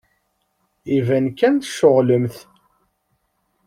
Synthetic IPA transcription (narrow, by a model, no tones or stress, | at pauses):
ivænkːænθəʃːoʁləmθ